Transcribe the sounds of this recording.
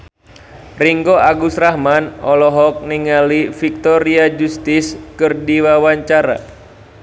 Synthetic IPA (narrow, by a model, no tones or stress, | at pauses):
riŋɡoʔaɡusɾahmanɔlɔɦɔk̚niŋalifik̚t̪ɔɾiad͡ʒust̪iskɨrdiwawaɲt͡ʃaɾa̰